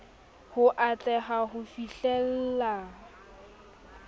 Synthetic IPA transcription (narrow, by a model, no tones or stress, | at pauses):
hʊʔat͡ɬʼɛχaɦʊfiɬɛl̩ːla